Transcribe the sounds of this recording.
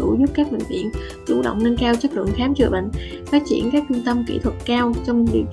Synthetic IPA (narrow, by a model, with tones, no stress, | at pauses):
ṵ˧˩zu˦˥p̚kaː˦˥k̚ɓï˧˨˩ŋ̟vḭ˧˨ən | t͡ɕṵ˧˩ɗə̰˧˨wŋ͡mnə˧nkaː˧wt͡ɕə˦˥t̚lɨ̰˧˨əŋxaː˨˦mzɨ̰˧˩əɓə̰˧˨ŋ̟ | faː˦˥t̚t͡ɕḭ˧˩ənkaː˦˥k̚t͡ɕu˧ŋt̪ə˧mkḭ˧˩t̪ʰwə˨˩t̚kaː˧wt͡ɕɔ˧wŋ͡mlḭ˧˩ə